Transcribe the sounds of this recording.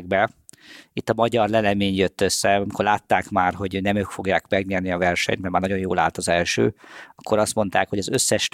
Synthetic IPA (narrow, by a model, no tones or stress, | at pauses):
ɡ̚bɛ | it̪ːɒmɒɟɒrlɛlɛmeːɲjøt̪ːøsːɛɒmikorlaːt̪ːaːkmaːrɦo̞ɟnɛmøːkfo̞ɡjaːkmɛɡɲeːrniɒvɛrʃɛ̰ɲt̪mɛrmaːrnɒɟo̞joːla̰ːlt̪ɒzɛlʃø̰ːɒkːo̞ɾɒst̪mo̞nt̪a̰ːkho̞ɟɒzøsːɛʃ